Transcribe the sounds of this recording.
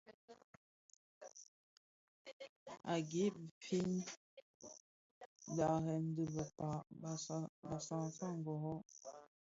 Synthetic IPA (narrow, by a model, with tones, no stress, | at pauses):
a˨ɡe˨˦˨fi˦n˦ | da˨ɣɛ˨n̩˦də˨bə˨pa˨ | ba˨sa˨ŋsa˦˨ŋ̩˨ɡɔ˨ɣɔ˦